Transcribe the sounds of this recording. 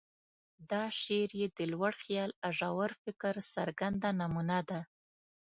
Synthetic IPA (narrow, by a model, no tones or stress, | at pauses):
d̪ɑʃeɾjed̪əlwaɽxjɑlaʒɑwaɾfɪkɾsaɾɡand̪anamunad̪a